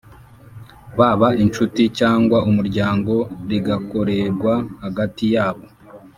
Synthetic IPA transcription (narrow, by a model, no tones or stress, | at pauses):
βaβaʔint͡ʃuticaːŋɡwaʔumuɾɟaːŋɡo̞ɾiɡako̞ɾe̞ɾɡwahaɡatijaːβo̞